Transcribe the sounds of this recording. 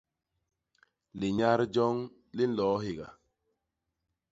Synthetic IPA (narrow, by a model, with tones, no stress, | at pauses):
li˨ɲa˦ɾd͡ʒɔ˦ŋ | li˦n̩˦lɔː˨˦ɦi˨ɡa̰˨